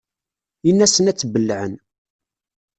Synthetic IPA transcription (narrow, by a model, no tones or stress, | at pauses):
inːæsənæt͡sːbəlːʕən